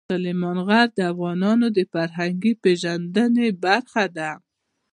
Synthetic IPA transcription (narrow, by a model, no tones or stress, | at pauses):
alemɑnɣaɾd̪əafɣɑnɑnod̪əfaɾɦaŋɡipeʒand̪ənebaɾxad̪a